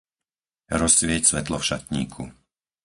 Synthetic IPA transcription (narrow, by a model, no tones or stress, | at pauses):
ɾɔsːʋɪɛcsʋɛt̪lɔfʃat̪ɲḭːkʰṵ